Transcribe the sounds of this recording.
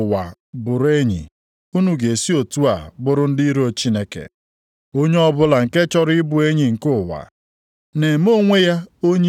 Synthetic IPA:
wa˨ | bʊ˨ɾe˦ɲḭ˨ | u˦nu˨ɡe˨si˦o˨tu˦a˨bʊ˦ɾʊ˦n̩˦di˦i˦ɾo˨t͡ʃi˦ne˦kḛ˨ | o˦ɲe˦ɔ˦bʊ˦la˨ŋ̩˨ke˦t͡ʃɔ˦ɾɪ˦bu˨e˦ɲi˨ŋ̩˨kʊ˦wa̰˨ | ne˨m˦o˦ŋʷe˦ja˦o˦ɲe˦

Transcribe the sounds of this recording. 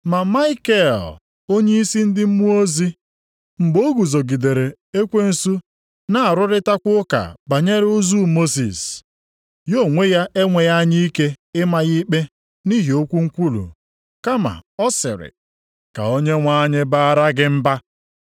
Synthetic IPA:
ma˨ma˦ɪ˦ke˦˨l | o˦ɲe˦i˦si˦n̩˦dɪ˦m̩˦mu˦o˦zi˦ | m̩˨ɡ͡bo˦ɡu˨zo˨ɡi˨de˨ɾe˨ | e˦kʷe˦n̩˨su˦ | na˦˨a˨ɾʊ˦ɾɪ˦ta˦kʷʊ˦ka̰˨ba˨ɲe˦ɾʊ˦zu˦mo˦sḭ˨s | jo˦˨ŋʷe˦ja˦ʔe˦ŋʷe˨ja˦ɲi˦i˦ke˦ɪ˦ma˨ɣi˦k͡pe˦ | ni˦ɦi˨o˦kʷu˦ŋ̩˦kʷu˦lṵ˨ | ka˦ma̰˨ɔ˦sɪ̰˨ɾɪ̰˨ | ka̰˨o˦ɲe˦ŋʷa˦ɲɪ˦ba˦a˦ɾa˦ɡɪ˦m̩˦ba˦

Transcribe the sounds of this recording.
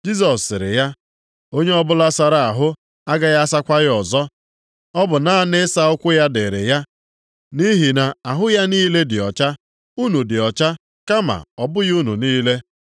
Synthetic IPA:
d͡ʒi˦s̬ɔ˨sːɪ˨ɾɪ̰˨ja˦ | o˦ɲe˦ɔ˦bʊ˦la˦sa˨ɾa˨a˨ɦʊ˦ | a˦ɡa˦ja˦sa˦kʷa˦ɣɪ˦ɔ˨zɔ˦ | ɔ˦bʊ˨na˨˦a˦nɪ˦sa˦ʊ˦kʷʊ˦ja˦de˨ɾe˨ja˦ | ni˦ɦi˨na˨a˨ɦʊ˦ja˦niː˦le˦dɪ˨ɔ̰˨t͡ʃa˦ | u˦nu˨dɪ˨ɔ˨t͡ʃa˦ | ka˦ma̰˨ɔ˨bʊ˦ɣu˦nu˨niː˦le˦

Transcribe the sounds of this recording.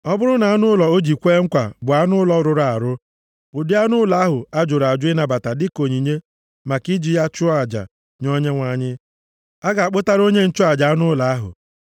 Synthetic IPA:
ɔ˦bʊ˦ɾʊ˦na˨a˦nʊ˦lɔ˨o˦d͡ʒi˨kʷe˦ŋ̩˦kʷa˨bʊ˨a˦nʊ˦lɔ˦ɾʊ˨ɾa˨ɾʊ˦ | ʊ˨dɪ˦a˦nʊ˦la˨˦ɦʊ˨a˦d͡ʒʊ˨ɾa˨d͡ʒʊ˦ɪ˦na˨ba˨ta˨dɪ˦ko˨ɲi˨ɲe˦ | ma˨ki˦d͡ʒi˨ja˦t͡ʃʊ˦a˦˨d͡ʒa̰˨ | ɲɔ˦ɲe˦ŋʷa˦ɲɪ˦ | a˦ɡa˨a˨k͡pʊ˦ta˦ɾo˦ɲe˦n̩˦t͡ʃʊ˦a˨d͡ʒa˨a˦nʊ˦la˨˦ɦʊ̰˨

